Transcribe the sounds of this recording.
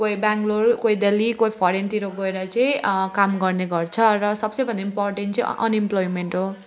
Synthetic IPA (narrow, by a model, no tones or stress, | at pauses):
kojbaŋɡlorkojd̪elikoipʰɔɾent̪iɾoɡʌeɾʌt͡sʌĩkamɡʌrneɡʌrt͡sʰʌrʌsʌbsʌ̃jbʌnd̪aimporʈent͡sʌ̃j̰̃ʔʌ̰nimplojmeɳʈɦo